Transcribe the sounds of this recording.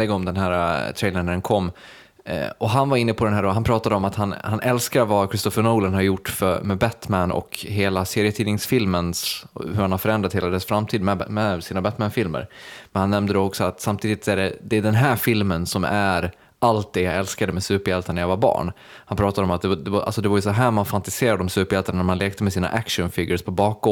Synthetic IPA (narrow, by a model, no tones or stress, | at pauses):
ɛɡɔmd̪ɛnɦæːɾat̪ʰɾɛjləɳæɾɛnkʰɔm̰ː | ɔɦanvaɾɪnːəpʰɔd̪ɛnɦæːɖɔɦanpʰɾɑːt̪ad̪əɔmat̪hanhanʔɛlskaɾvakʰɾɪst̪ɔfəɳoːlənhaɾjʊʈːfœmɛbæt̪mænɔ̰kɦeːlaseːɾjət̪ʰiːnɪŋsfɪlmənshɵɾhanhaɾfœɾɛnɾat̪heːlad̪ɛsfɾamt̪ʰiːd̪mɛmɛsiːnabæt̪mænfɪlmə̰ɾmɛnhanːɛmnəd̪oɔksɔat̪samt̪ʰiːd̪ɪt̪sæɖɛd̪ɛːɖ̪ɛnɦæːɾfɪlmənsɔmæɾ | ʔalt̪̚d̪ɛjaɛlskad̪əmɛsʉ̟ːpəɾjɛlt̪anɛjavabɑ̰ːɳ | hanpʰɾɑːt̪ad̪ɔmat̪̚d̪ɛd̪ɛvʔa̰lsɔd̪ɛvajʉsɔɦæːmanfant̪ɪseːɾad̪ɔmsʉ̟ːpəɾjɛlt̪annæɾmanleːk̚t̪əmɛsiːna̰ʔækʂənfɪɡːəʂpʰɔbɑːk̚ɔ